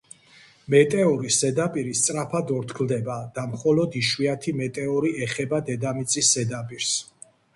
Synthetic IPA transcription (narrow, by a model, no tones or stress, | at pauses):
mɛt̪ʼɛɔɾiszɛd̪apʼiɾist̪sʼɾapʰad̪ɔɾt̪ʰkʰld̪ɛbad̪̥amχɔlɔd̪iʃwiat̪ʰimɛt̪ʼɛɔɾiɛχɛbad̪ɛd̪amit̪sʼisːɛd̪apʼiɾs